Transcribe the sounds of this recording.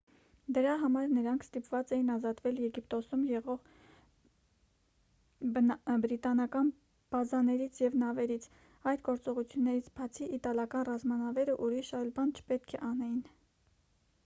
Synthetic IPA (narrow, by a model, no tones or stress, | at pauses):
d̪əɾɑɦɑmɑɾnəɾɑŋkʰst̪ipvɑt͡sɛjinɑzɑt̪vɛljɛɡip̚t̪ɔsumjɛʁɔʁ | bɾit̪ɑnɑkɑn | b̥ɑzɑnɛɾit͡sʰjɛvnɑvɛɾit͡sʰ | ɑjd̪ɡɔɾt͡sɔʁut͡sʰjunːɛɾit͡sʰbɑt͡sʰiʔit̪ɑlɑkɑnrɑzmɑnɑvɛɾəʔuɾiʃɑjlbɑnt͡ʃʰə̥pɛt̪kʰɛʔɑnɛjin